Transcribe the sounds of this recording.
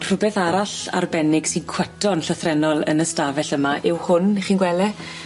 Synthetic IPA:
r̥ʊbɛθaɾaɬa̰rbɛnɪɡ̥sinkʰw̥ətʰɔnɬəθrɛnɔlˠə̰nəstavɛɬəmaʔɪwhʊnχiːnɡwɛlɛ

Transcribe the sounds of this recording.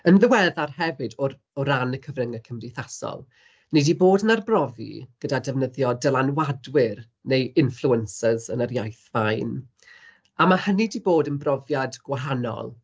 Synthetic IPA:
ənðəwɛðarhɛvɨdɔ | ɔɾanəkʰəvrəŋəkʰəmdɪθasɔ̰lˠ | nidiboːdənarbrɔvḭɡ̥ədadɛvnəðjɔdəlˠanwadwɪr | nejɪnflˠuənsəzənəɾjajθvajn | amahənidiboːdənbrɔvjadɡ̥waɦanɔ̰lˠ

